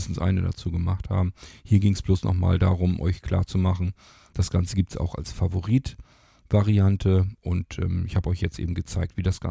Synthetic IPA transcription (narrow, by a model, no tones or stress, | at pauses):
stn̩sʔa̰ɪnəda̰t͡suːɡəmaχtha̰ːbm̩hiːɐɡɪŋəsb̥loːsnʔɔ̰χma̰ːldaːʁʊmʔɔ̰ʏçkʰl̥a̰ːɐt͡sumaχn̩ | d̥asɡ̥ant͡səɡiːp̚tsa̰ʊxa̰lsfavoʁiːt | v̥aʁiantʰəʔʊntʔɛːmɪçhaːbəɔʏçjɛt͡stʔḛːbm̩ɡət͡saɪk̚tv̥iːdasɡ̥a̰